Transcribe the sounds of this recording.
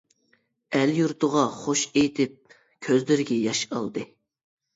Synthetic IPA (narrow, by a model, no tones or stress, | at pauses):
æljuɾt̪ʰʊʁɑχoʃejt̪ʰɪp̚ | kʲʰøzlɪɾɪɡʲɛjɑʃɑ̰lˠd̪ɨ